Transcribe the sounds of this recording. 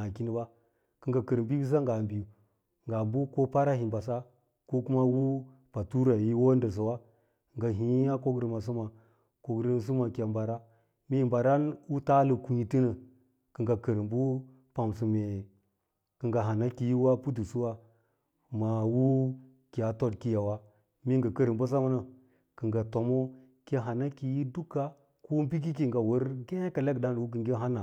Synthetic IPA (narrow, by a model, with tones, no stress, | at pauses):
a˨ki˦ni˦ba˦ | kə˨ŋɡa˨kə˨ɾmbi˦bi˦s̬a˦ŋɡa˨mbi˨ju˨ | ŋɡa˨mbu˦ko˦pa˦ɾa˦hi˨mba˨s̬a˦ | ko˦ku˦ma˦wu˦ | pa˨tu˦ɾa˨ji˦wo˦ndə˨s̬a˨wa˦˨ | ŋɡa˨ɦi˨˦a˦ko˦ɡɾə˨ma˨s̬u˦ma˨ | ko˨ɡɾə˦n˦s̬u˦ma˨kʲa˨mba˨ɾa˦ | me˦˨mba˨ɾa˦nwu˦ta˦lə˨ku˨ɲi˨ti˦nə˨ | kɨ˨ɡa˨kə˨ɾi˨mbu˦ | pa˨msu˨me˨ | kɨ˨ŋɡa˨ɦa˨na˦ki˨ji˦wa˦pu˦t̬u˨su˦wa˦ | ma˨wu˦ | ki˨a˨to˦dki˦ja˨wa˦ | mi˦ŋɡa˨kə˦ɾi˨mbo˦s̬a˦ma˦na˨ | kə˨ŋɡa˨to˨mo˦ | ke˦ɦa˨na˦ki˨ji˦du˦ka˦ | ku˦mbi˦k̬i˦ki˨ŋɡa˨wə˦ɾɡe˦ka˨le˦kda˦n˨wu˦k̬i˨ŋɡe˦ɦa˦na˨